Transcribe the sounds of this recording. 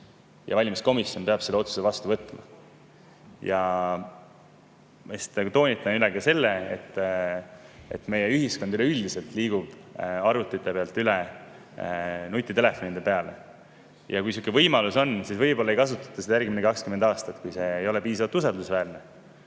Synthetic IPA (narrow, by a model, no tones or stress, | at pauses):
jʔɑ̰vɑlʲmisko̞misjo̞npe̞ɑb̥selːo̞t̪su̥sevɑst̪uvɤt̪ːˑmɑ̰ | jɑ | mesi̥t̪ːˑekt̪o̞ːnʲit̪ːˑɑnyleɡ̥ɑse̞lːeet̪ːˑ | ḛt̪ːme̞jeyɦisko̞nd̪yleyld̪ise̞lt̪ˑliːɡ̥ub̥ɑɾut̪ːˑit̪ːˑepeɑlt̪ːˑyle | nut̪ʲːˑit̪e̞le̞fo̞nid̪e̞pe̞ɑle | jɑkujsukːˑevɤjmɑluso̞nsisvɤjbo̞lːɑe̞jkɑsut̪ːˑɑ̥t̪ːɑse̥ɑærɡminekɑkskymend̪ɑːst̪ɑt̪kujse̞ːjo̞le̞piːsɑvɑlt̪usɑld̪usvæːrne